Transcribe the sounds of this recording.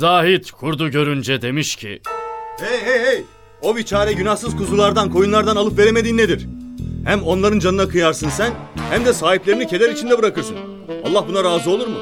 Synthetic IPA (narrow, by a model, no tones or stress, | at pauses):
zaːɦit̪kʰuɾd̪uɟø̞ɾynd͡ʒɛd̪e̞miʃcʰḭejɦejej | o̞vit͡ʃʰaːɾɛɟynahsɯzkʰuzulˠaɾd̪ankʰo̞junlˠaɾd̪analˠɯpve̞ɾeme̞d̪iːnːe̞d̪iɾ̥hæmo̞nlˠaɾɯnd͡ʒanɯnakʰɯjaɾsɯnsæn | hæmd̪ɛsaːɦiplʲe̞ɾinicʰe̞lʲæɾit͡ʃʰind̪ɛbɯɾakʰɯɾsɯn | a̰lˠːahbunaɾaːzɯolˠuɾmu